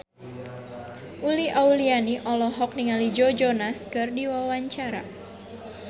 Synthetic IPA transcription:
ʔuliʔaulianiʔɔlɔɦɔk̚niŋalid͡ʒɔd͡ʒɔnaskɨrdiwawaɲt͡ʃaɾa̰

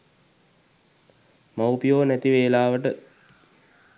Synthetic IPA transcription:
mawpijoːnæt̪iʋeːlaːʋəʈə

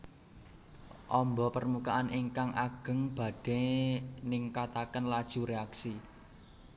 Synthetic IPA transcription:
ʔɔmbɔpərmukaʔaniŋkaŋʔaɡ̥ə̤ŋb̥a̤d̥ɛnɪŋkat̪akənlad̥ʒ̥ṳɾeaksi

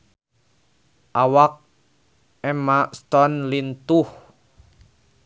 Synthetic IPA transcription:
ʔawak̚ | ɛmast̪ɔnlint̪uh

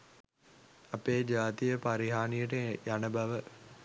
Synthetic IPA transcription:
ɐpeːd͡ʒaːt̪ijəpaɾiɦaːnijəʈ̬əjanəbɐʋə

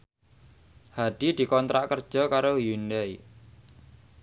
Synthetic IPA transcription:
had̪̥i̤d̪̥i̤kɔnt̪ɾaʔkərd̥ʒ̥ɔ̤kaɾojunɛj

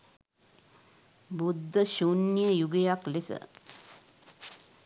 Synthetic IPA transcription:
bud̪ːəʃunːjəjuɡejaklesə̰

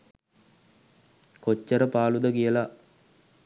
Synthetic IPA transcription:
kot͡ʃːəɾəpaːlud̪əkijəla

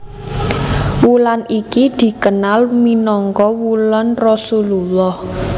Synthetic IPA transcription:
wulanʔikid̪̥i̤kənalminɔŋkɔwulɔnrɔsululɔh

